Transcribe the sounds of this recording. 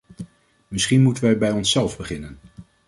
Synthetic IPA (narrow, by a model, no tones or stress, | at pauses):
mɪsχinmutənʋɛjbɛjɔnsɛlˠvbəχɪnən